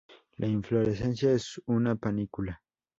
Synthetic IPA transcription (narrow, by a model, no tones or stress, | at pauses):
lʔaiɱfloɾesensjaesunapanikula